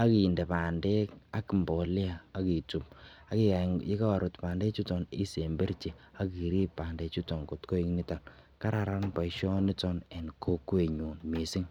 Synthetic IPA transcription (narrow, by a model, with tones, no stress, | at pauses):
a˦ki˨nde˨pa˨nde˦ka˦ki˨mbɔ˨le˦aː˨˦ki˨tu˨m̚a˦ki˦˨a˨ŋi˦ka˦a˨ɾo˨tpa˨nde˦t͡ʃu˦tɔ˨ni˦se˨mbe˦ɾt͡ʃe˨a˦ki˨ɾi˦ppːa˨nde˦t͡ʃu˦tɔ˨ŋko˨tko˦i˦ŋni˦ta˨lka˦ɾa˨ɾa˦npa˨ʃɔ˦ni˦tɔ˦nɛ˨nko˦kwe˨ɲu˨nmi˨si˦ŋ